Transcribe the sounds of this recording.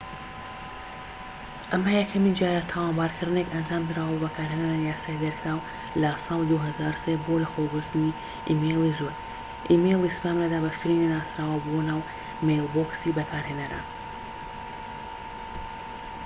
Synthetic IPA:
ʔɐmajɛkʰɐmid͡ʒjaːɾat̪ʰawaːnbaːɾkʰɨɾd̪ɨnekɐnd͡ʒaːmd̪ɨɾaːwɐbɐkʰaːɾɦeːnaɾanijaːsaːid̪ɐɾkʰɾaːw | lɐsɑːlˠid̪uɦɐzaːɾusebolɐxoɡɨɾt̪ʰɨni | ʔḭmejlˠizuɾ | ʔimejlˠispaːmɾad̪aːbɐʃk̪ɨɾininaːsɾaːwɐbonaːw | mejlˠboksibɐkʰaːɾheːnɐɾɐ̰

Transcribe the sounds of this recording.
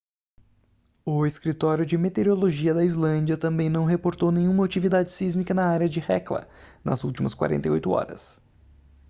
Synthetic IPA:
ʊeskɾit̪ɔɾjʊd͡ʒɪmet̪eɾioloʒiɐd̪ɐizlɐ̃d͡ʒiɐt̪ɐ̃mbẽj̃nɐ̃w̃ɦepoɾt̪ownẽjɲũmɐat͡ʃivid̪ad͡ʒɪsizmikɐnɐaɾjɐd͡ʒɪhɛklɐ̰nɐ̰zuwt͡ʃimɐskwa̰ɾḛ̃nejojt̪ʊɔ̰ɾɐ̰s

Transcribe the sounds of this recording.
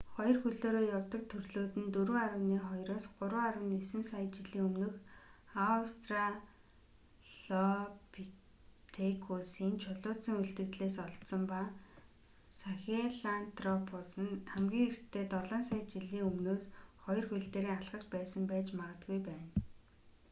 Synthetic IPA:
χɔjɞ̆rxɵɮoːɾoːjawt̪ə̆k̚t̪ʰɵrɮoːt̪ɘ̆nt̪ɵɾɵːaɾə̆wniːχɔjɾoːsɢʊɾwəːaɾə̆wnisɘ̆nsajt͡ɕiɮiːŋɵmnɵ̆x | ast̪ra | ɮ̥ɔpi | t̪ʰekʰusiːnt͡ɕʰʊɮʊːt̪sə̆ŋuɮt̪ɘ̆kt̪ɮeːs̬ɔɮt̪sɞ̆mpa | saxʲeɮant̪rɔpʰʊsə̆nχæmɡʲiːŋer̥t̪ʰːeːt̪ɔɮaːnsajt͡ɕiɮiːŋɵmnoːsχɔjɞ̆rxuɮt̪eːɾiːŋaɮʁə̆t͡ɕpæːsə̆mpæːt͡ɕmaʁə̆t̪ɡujpæːn

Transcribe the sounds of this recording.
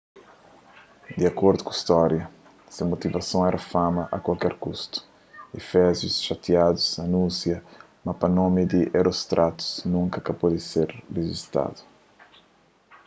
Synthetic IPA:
d̪iakoɾd̪ukist̪ɔɾjɐ | simot̪ivɐsõw̃ɛɾʔɐfamɐʔɐkwalkɛɾkust̪u̥ | efɛzjusʃat̪iad̪usɐnũsjɐ | mɐpɐnomid̪iʔeɾost̪ɾʔat̪u̥znũŋkɐkɐpod̪iseɾreʒist̪a̰d̪u̥

